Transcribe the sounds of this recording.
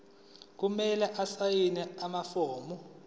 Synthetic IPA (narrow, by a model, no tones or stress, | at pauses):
k̬umɛlɛʔasajinɛamafoːmu